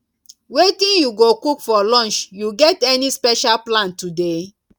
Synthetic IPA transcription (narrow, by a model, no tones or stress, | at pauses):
wetĩnjuɡokukfɔlɔ̃nt͡ʃjuɡɛtɛnispɛʃalplãntude